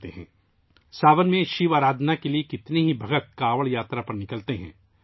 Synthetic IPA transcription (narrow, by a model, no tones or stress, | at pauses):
t̪eɦɛ̰̃ː | saːʋənmẽʃiʋaːɾaːd̪ʱnakeliekɪt̪neɦibʱɐɡət̪̚kaːʋəɭjaːt̪ɾapɐɾnɪkəlt̪eɦɛ̰̃ː